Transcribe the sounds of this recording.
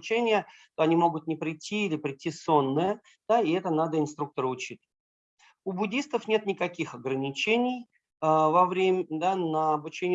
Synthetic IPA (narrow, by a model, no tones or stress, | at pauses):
t͡ɕenʲɪjət̪o̞ɐnʲimo̞ɡʊt̪̚nʲɪpɾʲɪtʲʰːiilʲɪpɾʲɪtʲːiso̞nːəjə | d̪̥aɪɛt̪ənad̪əɪnst̪ɾuk̚t̪əɾəʊt͡ɕit̪əə | ʊbʊdʲist̪əfnʲe̞t̪nʲɪkɐkʲixɐɡɾənʲɪt͡ɕenʲɪj | əvɐvɾʲemʲd̪anəɐbʊt͡ɕenʲ